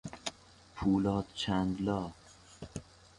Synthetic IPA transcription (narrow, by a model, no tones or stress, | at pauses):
pʰuːlɒːt̪t͡ʃʰænd̪lɒː